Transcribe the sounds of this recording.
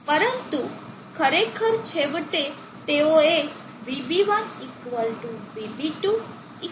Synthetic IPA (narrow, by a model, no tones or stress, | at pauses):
pəɾənt̪u | kʰəɾekʰəɾt͡ʃʰeʋəʈe | t̪eoe | ʋibiʋanikʋəlʈuʋibʱiʈu | i